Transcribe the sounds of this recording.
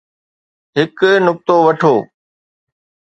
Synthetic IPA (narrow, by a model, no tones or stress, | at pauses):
ɦɪknʊk̚t̪oʋɐʈʰoː